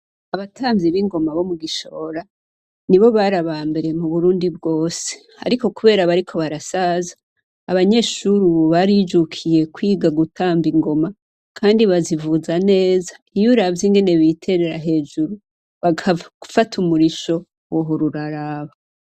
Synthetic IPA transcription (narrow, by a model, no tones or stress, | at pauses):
aβatʰaːmviβiŋɡo̞maβo̞muɡiʃo̞̰ɾa | niβo̞βaɾaβaːmbe̞ɾe̞muβuɾuːndib̚ɡo̞ːse̥ | a̰ɾiko̞kuβe̞ːɾaβaɾikʰo̞βaɾasazḁː | βaɲe̞ʃuɾuβaɾid͡ʒukʰije̞kwiːɡaɡutʰaːmbiŋɡo̞ma | kʰaːndiβazivuzane̞ːza | ijuɾavjiŋɡe̞ne̞βitʰe̞ɾeɾaɦe̞ːd͡ʒuɾu | βaɡɡufatʰumuɾiʃo̞ | woɦoɾuɾaɾaβa